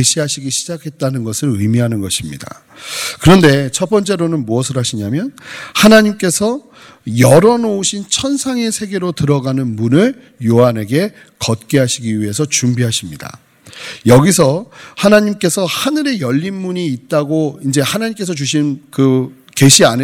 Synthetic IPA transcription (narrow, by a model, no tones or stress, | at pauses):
eɕʰiɦaɕʰiɡiɕʰid͡ʑakʰe̞t̚t͈anɯnɡʌsʰɯɾɯjmiɦanɯnɡʌɕʰimɲḭda̰ | kɯɾʌnde̞t͡ɕʰʌp͈ʌnt͡ɕ͈e̞ɾonɯnmuʌs̬ʰɯɾɦaɕʰiɲamjʌnhanaɲimk͈e̞sʰʌ | jʌɾʌnouɕʰint͡ɕʰʌnsʰaŋe̞sʰe̞ɡe̞ɾotɯɾʌɡanɯnmunɯɭ | joɦane̞ɡe̞ | kʌt̚k͈eɦaɕʰiɡiɥiɦe̞sʰʌt͡ɕumbiɦaɕʰimɲida̰ | jʌɡisʰʌhanaɲimk͈e̞sʰʌhanɯɾe̞jʌʎːinmuɲiːt̚t͈aɡoind͡ʑe̞hanaɲimk͈e̞s̬ʰʌt͡ɕuɕ̬ʰinkɯ | ke̞ɕʰian